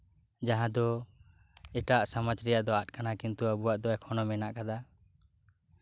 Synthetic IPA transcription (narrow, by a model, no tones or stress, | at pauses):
d͡ʒaɦãd̪ɔ | ɛʈaʔsamat͡ʃɾɛjaʔd̪ɔat̪̚kanakint̪uəbuwaʔd̪ɔɛkʰɔnɔmɛnaʔkad̪a